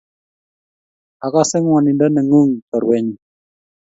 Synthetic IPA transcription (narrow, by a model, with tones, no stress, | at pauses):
a˨ka˦se˦ŋwa˨ni˨ndə˦nə˨ŋu˦ŋkə˨ɾwɛ˦ɲ